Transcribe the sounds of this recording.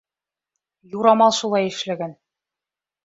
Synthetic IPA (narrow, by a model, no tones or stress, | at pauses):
juɾɑmɑlˠʃulˠɑjɘ̆ʃlæɡæn